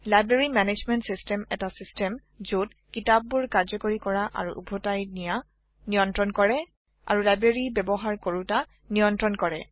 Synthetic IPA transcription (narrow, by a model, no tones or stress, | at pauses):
lajbɹeɹimɛned͡ʒmɛntsistɛmɛtasistɛm | zot̚ | kitab̚ːuɹkaɹzɔkoɹikɔɹaʔa̰ɹṵʔṵbʱɔtajnija | nijɔntɹɔnkɔɹɛ | a̰ɹulajbɹeɹibɛbɔɦaɹkoɹuta | nijɔntɹɔnkɔɹɛ̰